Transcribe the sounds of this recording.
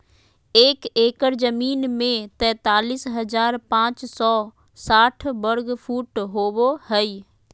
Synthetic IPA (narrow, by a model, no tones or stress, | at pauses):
eːkeːkəɾzəmiːnmẽt̪ɛ̃ːt̪aːliːsɦɐzaːɾpãːt͡ʃsɔː | saːʈʰbəɾɡpʰuːʈɦoːʋohəiː